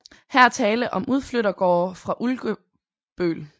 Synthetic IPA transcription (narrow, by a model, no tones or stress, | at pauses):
hæɐt͡sʰɛːləʔɒ̽muð̞ˠfløɾɐɡ̥ɒ̰ːfʁɑ̈ʔulɡ̥ə | b̥ø̰ːl